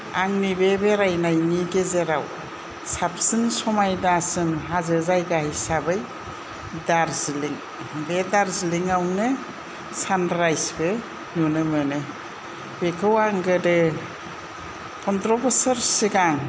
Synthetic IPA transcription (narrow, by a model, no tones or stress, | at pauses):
aŋnibebeɾajnajniɡezeɾaw | sap̚sɯnsɔmajdaasɯmɦazɯzajɡahajsabɯj | daɾziliŋ | bedaɾziliŋawnɯ | sandɾajsbɯ | nunɯmɯnɯ | bekʰɯwaŋɡɯdɯ | kʰɔntɾɔbesaɾsiɡaŋ